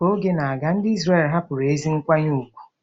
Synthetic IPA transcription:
o˦ɡe˦na˨a˨ɡa˨n̩˦dɪ˦i˦zre˦˨lɦa˦pʊ˨ɾe˦zi˦ŋ̩˦kʷa˦ɲu˦˨kʷu̥˨

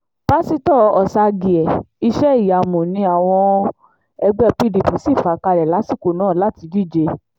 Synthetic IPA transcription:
b̥a˨˦si˦˧tɔ˦˧ɔ˨sa˧ɡi˨ɛ˨ | i˧ʃɛ˦i˨ja˨mũ˨nĩ˧a˨w̃ɔ̃˧ | ɛ˧ɡ͡bɛ˦˧pi˦˧di˨kũ˨˦si˦˨fa˨˦ka˧ɾɛ˨la˨˦si˦˨ko˨nãː˦˨la˦ti˧di˦˨d͡ʒe˧˦

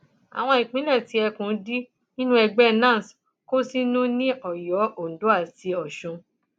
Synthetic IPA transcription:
a̰˨w̃ɔ̃˧i˨k͡pĩ˨˦lɛ˦˨ti˨˦ɛ˧kũ˨˦di˦ | nĩ˦nũ˦ɛ˧ɡ͡bɛ˦nãː˦˨s | ko˦si˦nũ˦nĩ˦ʔɔ˦˨jɔ˨˦o˦˨n̩˨do˨˦a˦˨ti˧ɔ˨ʃũ˧

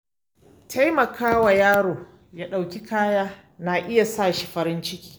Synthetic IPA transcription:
tʰa˦jmɐ˨kʰaː˦wa˨jaː˦ɽoː˨ | jaː˦ɗa˨wkʲi˦kaː˦jaː˦ | na˨ʔɪ˦ja˨saː˦˨ʃi˨ɸɐ˦ɾɪ˦nt͡ʃɪ˦kʲi̥ː˨

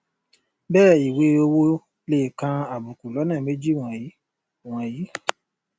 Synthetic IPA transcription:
bɛː˦˨i˨we˨˦o˧wo˦ | le˦˨kã˧a˨bu˨ku˨lɔ˨˦nã˦˨me˦d͡ʒi˦˨w̃ã˨ji˨˦ | w̃ɔ̃˧ji˨˦

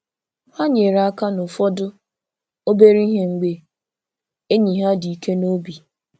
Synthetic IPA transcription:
ha˦ɲe˨ɾa˦ka˦nʊ˨fɔ˦dʊ˦ | o˦be˦ɾi˦ɦe˦ŋ͡m̩˨ɡ͡be˨ | e˦ɲi˨ɦa˦di˨i˦ke˦no˦bi˨

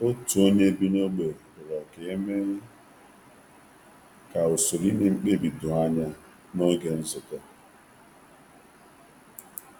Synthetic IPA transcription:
o˦tu˨o˦ɲe˦bi˦no˦ɡ͡be˨ | ʊ˨ɾɔ˨ke˨e˦me˦ɾ | ka˨ʊ˨so˨ɾi˦ne˨ŋ͡m̩˦k͡pe˦bi˨dʊ˨a˦ɲa˦ | no˦ɡe˨n̩˦zʊ˨kɔ˦

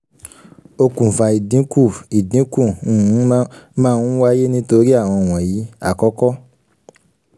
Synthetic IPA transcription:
o˧kũ˨fa˨i˨dĩ˨˦ku˦˨i˨dĩ˨˦kũ˦˨˦mãː˦˧n˦wa˦je˦nĩ˦to˧ɾi˦a˦˨w̃ɔ̃˧ɔ˨w̃ɔ̃˨ji˨˦a̰˦˨kɔ˦kɔ˦

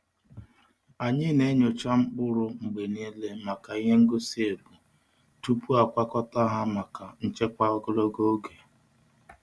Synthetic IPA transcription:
a˨ɲɪ˦ne˦ɲo˨t͡ʃa˦ŋ͡m̩˦k͡pʊ˦ɾʊ˦ŋ͡m̩˨ɡ͡be˨ni˦le˦ma˨ka˨i˦ɦe˦ŋ̩˦ɡʊ˦si˦e˨bu˨ | tu˦pu˦a˨kʷa˦kɔ˦ta˦ɦa˦ma˨ka˨n̩˨t͡ʃe˦kʷa˦ɔ˦ɡo˦lo˦ɡo˦ɡe˨

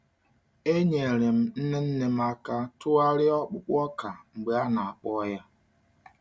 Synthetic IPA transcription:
e˦ɲe˨ɾe˨m̩˨n̩˦ne˦n̩˦ne˨m̩˦a˦ka˦tʊ˦a˦ɾɪ˦ɔ˦k͡pʊ˦k͡pɔ˦ka˨ŋ͡m̩˨ɡ͡be˨a˦na˨a˨k͡pɔ˦ja˦

